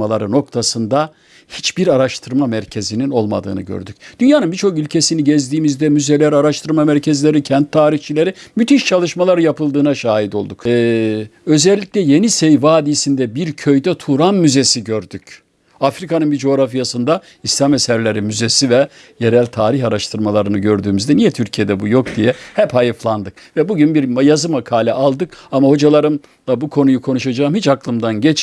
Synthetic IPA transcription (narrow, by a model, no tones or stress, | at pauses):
alˠaɾɯno̞k̚t̪ʰasɯnd̪a | hit͡ʃbiɾaɾaʃt̪ʰɯɾmamæɾcʰe̞zinino̞lˠma̰d̪ɯ̰ːnɯ̰ɟø̰ɾd̪yc̚d̪̥ynjaːnɯnbit͡ʃʰo̞kylʲcʰesiniɟɛzd̪iːmizd̪ɛmyzelʲæɾaɾaʃt̪ʰɯɾmamæɾcʰɛzlʲe̞ɾicʰɛnt̪ʰːaːɾiçt͡ʃʰilʲe̞ɾimyt̪iʃt͡ʃʰalˠɯʃmalˠaɾɯjapɯlˠd̪ɯːnaʃaːɦid̪o̞lˠd̪ukː | ø̞zɛlʲːicʲlʲɛje̞nisɛjvaːd̪isind̪ɛbiɾcʰø̞jd̪ɛt̪ʰuɾamːyzesiɟøɾd̪yc | afɾikanɯnbid͡ʒo̞ːɾafijasɯnd̪a | islʲamesæɾlʲeɾimyzesivɛ | je̞ɾælʲt̪ʰaːɾiçaɾaʃt̪ʰɯɾmalˠaɾɯnɯɟø̞ɾd̪yːmyzd̪ɛnijɛt̪ʰyɾcʰije̞d̪ɛbujo̞kd̪ijɛhɛphajɯflˠand̪ɯk̚ | vɛbuɟynbiɾmajazɯmakʰaːlʲɛʔalˠd̪ɯkamaho̞d͡ʒalˠaɾɯm | lˠabukʰo̞nujukʰo̞nuʃad͡ʒaːɯmhit͡ʃaklˠɯmd̪anɟɛt͡ʃ